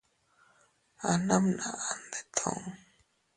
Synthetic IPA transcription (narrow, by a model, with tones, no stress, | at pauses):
a˨na˦mna˨ʔa˨nd̪e˨t̪ʰõ̰˨ŋ